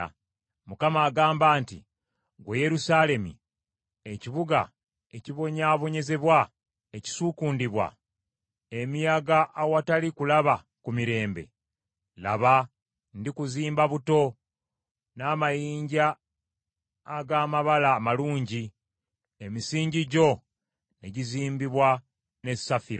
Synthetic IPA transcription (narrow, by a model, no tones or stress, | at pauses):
mukamaːɡaːmbaːntḭ | ɡweje̞ɾusale̞mḭ | eciβuɡa̰ | e̞ciβo̞ɲaːβo̞ɲe̞ze̞βwa | eci̥sukuːndiβwa̰ | emiaɡaʔːwatalikulaβa | kumiɾe̞ːmbe̞̰ | la̰βa | ndikuziːmbaβuto̞ | naːmajiːɲɟa | ɡaːmaβalaːmaluːɲɟi | emisiːɲɟiɟo̞ | ne̞ɟiziːmbiβwa | ne̞safiɾo